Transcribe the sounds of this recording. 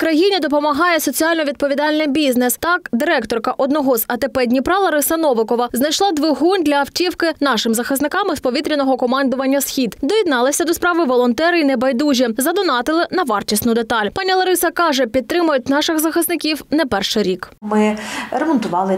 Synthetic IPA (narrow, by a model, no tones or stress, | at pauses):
kɾɐjinʲid̪ɔp̬ɔmɐɦɑjɛsɔt͡sʲiɑlʲnɔʋʲid̪̚pɔʋʲid̪ɑlʲnɪmbʲiznɛst̪ɑkd̪ɪɾɛkt̪ɔrkɐʔɔd̪nɔɦɔzɐt̪epɛdʲnʲipɾɑlˠɐɾɪsɐnɔʋɪkɔʋɐznɐjʃlˠɑd̪ʋɪɦunʲd̪ʲlʲɐɐwtʲiwkɪnɑʃɪmzɐxɪsnɪkɑmɪspɔʋʲit̪ɾʲinɔɦɔkɔmɑnd̪ʊʋɐnʲːɐsxʲid̪d̪ɔjid̪nɑlˠɪsʲɐd̪ɔspɾɑʋɪʋɔlˠɔnt̪ɛɾinɛbɐjd̪uʒʲizɐd̪ʊnɑt̪ɪlˠɪnɐʋɑrt͡ʃʲisnʊd̪et̪ɑlʲpɑnʲilˠɐɾɪsɐkɑʒɛpʲid̪̚t̪ːɾɪmʊjʊt̚ʲnɑʃɪɣzɐxɪsnɪkʲiwnɛpɛrʃɪɾʲikmɪɾɛmɔnt̪ʊʋɑlˠɪ